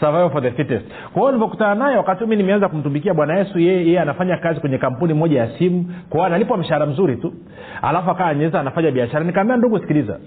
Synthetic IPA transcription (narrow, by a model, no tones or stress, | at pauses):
savajvfɔðɛfitɛst | kwaɔnivɔkutananajɛwakatihuminimɛanzakum̩tumikiaɓwanajɛsujɛjɛjɛjɛanafaɲakazikwɛɲɛkam̩punimɔʄajasimukɔwanalipwam̩ʃaɾam̩zuɾitu | a̰lafuakaɲɛɛzaːnafaɲaɓiaʃaɾanikaːmbiɛanduɡusi̥kiliza̰